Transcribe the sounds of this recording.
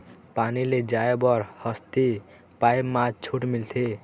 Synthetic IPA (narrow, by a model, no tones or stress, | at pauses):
paniled͡ʒaebɔɾhʌst̪i | pajmat͡ʃʰuʈmilt̪ʰe